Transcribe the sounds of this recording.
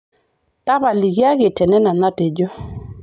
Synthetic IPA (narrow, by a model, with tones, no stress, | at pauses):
ta˦βa˨li˨ɣa˦ɣɪ˨tɛ˨nɛ˦na˨na˦te˨d͡ʒɔ˦